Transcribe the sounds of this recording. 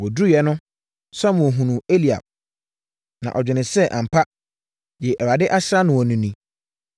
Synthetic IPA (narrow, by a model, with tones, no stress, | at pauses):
wɔ˨du˦˨jɛ˦nʊ̃˦ | sa˦mʊ̃˨ɔ˨ɦũ˨nũ˨e˦li˨a̰˨b̚ | nã̰˨ʔɔ˨d͡ʑᶣɪ˨nɪ̃˨sɛ˦ʔã̰˨m̩˨pʰa˦ | jɛ˨ʔɛ˨ɾa˨dɪ˦ʔa˦ɕɪ˦ɾa˦nʊ̃˨wɔ˨nũ˨˦nĩ˦